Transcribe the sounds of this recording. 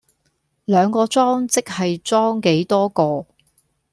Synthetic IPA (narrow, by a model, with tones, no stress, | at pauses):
lœː˨˧ŋkɔː˧t͡sɔː˥ŋt͡sɪ˥k̚hɐ˨jt͡sɔː˥ŋke˨˥jt̪ɔː˥kɔː˧